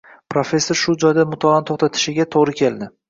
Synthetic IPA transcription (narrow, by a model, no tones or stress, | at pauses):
pʰɾofʲe̞sːoɾʃʊd͡ʒɒjd̪amʊt̪ʰɒlant̪ʰoχt̪ʰat̪ʰɪ̥ʃɪɡʲat̪ʰoʁɾɪkʲʰe̞ld̪ɪ